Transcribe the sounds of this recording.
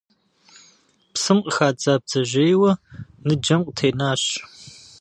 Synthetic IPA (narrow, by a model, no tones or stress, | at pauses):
psɨmqəxaːd͡zaːb̚d͡zɐʒejwɐnɨd͡ʒɐmqʷʼtʰeːnaːɕ